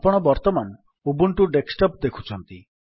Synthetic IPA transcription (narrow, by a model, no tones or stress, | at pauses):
pɔɽ̃ɔbɔɾt̪ɔman | ubuɳʈuɖeksʈɔp̚d̪ekʰu̥t͡ʃʰɔnt̪i